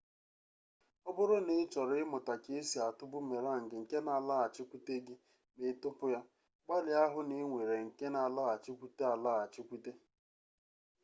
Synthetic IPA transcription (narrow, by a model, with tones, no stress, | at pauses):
ɔ˦bʊ˦ɾʊ˦nɪ˨˦t͡ʃɔ˨ɾɪ˨˦ɪ˦mʊ˨ta˨ke˦e˦si˨a˨tʊ˦bʊ˦me˨ɾa˦˨ŋ̩˨ɡɪ˨ŋ̩˨ke˦na˨la˦˨a˨t͡ʃɪ˦kʷu˦te˦ɡɪ˦ | me˦tʊ˦pʊ˦ja˦ | ɡ͡ba˦lɪ˨a˦ɦʊ˦nɪ˦ŋʷe˨ɾe˨ŋ̩˨ke˦na˨la˦a˨t͡ʃi˦kʷu˦te˦a˨la˦˨a˨t͡ʃɪ˦kʷu˦te˦